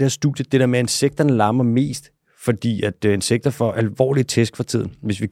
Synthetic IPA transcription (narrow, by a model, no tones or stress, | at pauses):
æɐsd̥uːðˠjəd̥ed̥ḛɐmee̝nseɡ̥̚d̥ɐnəlɑ̈ːmɐme̝̰ːsd̥ | fɒ̽d̥ḭːæd̥e̝nseɡ̥̚d̥ɐfɒ̽ʔælʋɒ̰ːlit͡sʰesɡ̥fɑ̈t͡sʰið̞̰ˠn̩ʋe̝sʋi